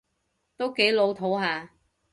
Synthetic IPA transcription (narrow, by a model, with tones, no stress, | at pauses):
t̪o˥wke˨˥jlo˨˧wt̪ʰo˨˥wɦaː˨˧